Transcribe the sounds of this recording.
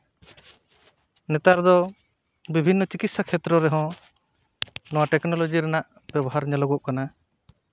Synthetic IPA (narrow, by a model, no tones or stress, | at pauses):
nɛt̪aɾd̪ɔ | bibʱinːɔt͡ʃikit̪̚sakʰɛt̪ɾɔɾɛɦɔ̃ | nɔwaʈɛknɔlɔd͡ʒiɾɛnaʔ | b̥ɛbɔɦaɾɲɛlɔɡɔʔkana